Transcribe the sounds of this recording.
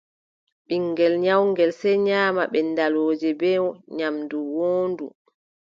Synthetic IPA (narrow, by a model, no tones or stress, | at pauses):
ɓiŋːɡɛlɲawŋɡɛlsɛjɲaːmaɓɛndaloːd͡ʒɛbɛːwɔɲamduwoːndṵ